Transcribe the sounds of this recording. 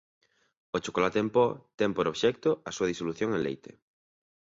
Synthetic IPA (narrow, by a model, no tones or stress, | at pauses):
ot͡ʃokolat̪eempɔt̪ɛŋpoɾoβʃɛkt̪oɐsuɐðisoluθjoŋenlḛjt̪ḛ